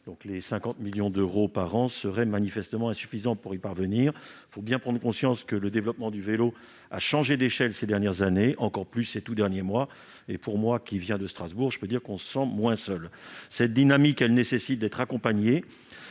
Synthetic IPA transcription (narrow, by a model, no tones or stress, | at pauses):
d̪̥ɔ̃klesɛ̃kɑ̃t̪miljɔ̃d̪øʁopaʁɑ̃səʁɛmanifɛst̪əmɑ̃ɛ̃sy̥fizɑ̃puʁipaʁvəniːʁ | fobjɛ̃pχɑ̃d̪ʁəkɔ̃sjɑ̃skələd̪evlɔpmɑ̃d̪yvelo | a̰ʃɑ̃ʒed̪eʃɛlsed̪ɛʁnjɛʁzaneʔɑ̃kɔʁplysːet̪ud̪ɛʁnjemwa | epuʁmwakʲivjɛ̃d̪əst̪χazbuʁʒəpød̪iʁkɔ̃sə̥sɑ̃mwɛ̃sœlsɛt̪̚d̪inamikɛlnesesit̪̚d̪ɛt̪χakɔ̃paɲe